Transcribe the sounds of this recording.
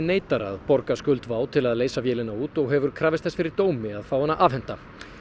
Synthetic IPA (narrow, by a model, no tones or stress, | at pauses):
neːjt̪aɾa̰ðpɔɾkaskʏlt̪vaːwt̪ʰɪlaðleːjsafjɛːlɪnauːt̪ɔɣɦɛvʏɾ̥kʰɾaːvɪst̪θɛsfɪɾɪɾt̪oːwmɪaðfaːwhɛnːaʔavhɛn̥t̪a